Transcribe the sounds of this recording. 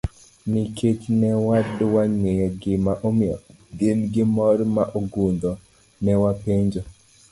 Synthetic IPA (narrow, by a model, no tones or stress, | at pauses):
nɪket͡ʃnɛwadwaɲwejɔɡɪmaʔomɔ | ɡelɡɪmɔrmaʔoɡund̪ɔ | nɛwapeɲd͡ʒo